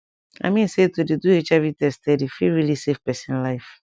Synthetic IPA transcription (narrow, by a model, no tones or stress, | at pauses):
a̰mĩn̩setodeduet͡ʃavitɛstɛdifiɹilisefpɛsĩnlaɪf